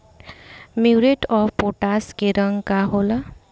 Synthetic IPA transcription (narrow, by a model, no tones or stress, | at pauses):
miwɾeʈɔppoʈaskeɾəŋkaɦola